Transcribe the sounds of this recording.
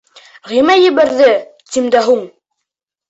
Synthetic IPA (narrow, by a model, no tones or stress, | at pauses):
ʁimæjɘ̆βæɾðɘt̪imd̪æɦuɴ